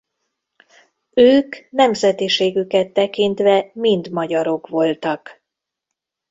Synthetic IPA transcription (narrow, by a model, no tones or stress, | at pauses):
øːknɛmzɛt̪iʃeːɡykɛt̪ːɛkint̪ʋɛmind̪mɒɟɒɾo̞kʋo̞lt̪ɒk